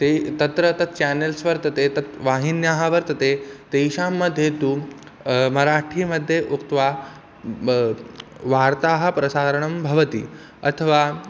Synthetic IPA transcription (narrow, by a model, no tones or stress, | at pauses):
t̪et̪ɐt̪ɾət̪ɐt̪̚ʰt͡ɕænelsʋɐɾt̪ɐt̪et̪ɐt̪ʋaɦinjaɦaʋɐɾt̪ɐt̪et̪ejɕaːmːəd̪ʱjet̪u | mɐɾaʈʰiːməd̪ʱːjeʔukt̪ʋa | ʋaːɾt̪aːɦɐ̆pɾɐsaːɾəɳ̃ɐmbʱɐʋət̪ḭː | ɐt̪ʰəʋa